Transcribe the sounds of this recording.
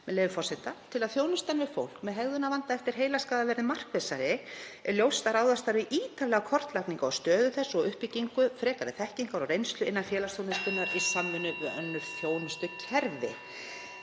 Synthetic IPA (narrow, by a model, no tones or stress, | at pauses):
mɛleːjvʏfɔrsɛt̪at̪ʰɪlaðθjoːwnʏst̪anvɪfo̰wl̥kmɛðɦɛɣðʏnavant̪aɛft̪ɪɾ̥ɦejlaskaːðavɛɾðɪmar̥kveːsaɾɪɛɾljowst̪aɾaːwðast̪aɾvɪʔiːt̪ʰavlɛɣakʰɔr̥t̪lakniŋkaawst̪œːðʏθɛsːɔɣʏhpiciŋkʏfɾɛːkaɾðɪθɛhciŋkaɾɔrejnst̪lʏɪnːanfjɛːlast̪ownɪnspʏnːaɾisamːɪnʏœnːʏɾ̥θjoːwnʏst̪ʏcʰɛɾvɪ̰